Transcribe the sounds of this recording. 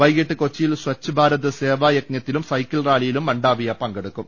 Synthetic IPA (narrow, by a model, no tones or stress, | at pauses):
ʋɐjɡeʈːɨko̞t͡ɕːijilswɐt͡ɕːubʱaːɾɐðɐseːʋaːjek̚njɐt̪ːilumsɐjkʲːɐlraːlijilumːɐɳɖaːʋijɐpɐŋɡeɽukːum